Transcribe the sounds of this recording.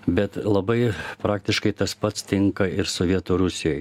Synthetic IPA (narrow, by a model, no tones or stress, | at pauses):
bʲɛt̪lˠɐbɐɪpɾɑːk̚t̪ʲɪʃkɐɪt̪ɐspɐt̪st̪ʲɪŋkɐɪɾsʊʋʲiɛt̪oɾʊsʲɪjoj